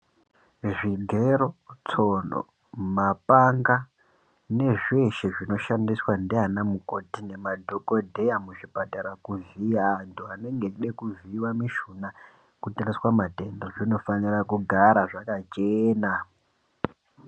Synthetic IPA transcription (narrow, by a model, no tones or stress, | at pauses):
ʐiɡʱe̞ɾo̞t͡so̞no̰ | mapaŋɡa | ne̞ʐe̞ʃeʐino̞ʃandiswandeɦanamuko̞tine̞madʱoko̞dʱe̞jamuʐipataɾakuziantʰuane̞ŋɡeɗekuviwamiʃuna | kutariswamate̞ndoʐino̞fanirakuɡʱaɾaʐakat͡ʃeːna